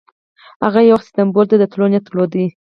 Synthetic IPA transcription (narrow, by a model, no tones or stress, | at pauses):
haɣajawaxsi̥t̪ambold̪ed̪ət̪lonat̪ɾlod̪i